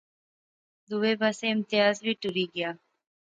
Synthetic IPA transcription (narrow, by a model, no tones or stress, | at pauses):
d̪uwebaseɪmt̪ijaːzwiʈuɾiɡija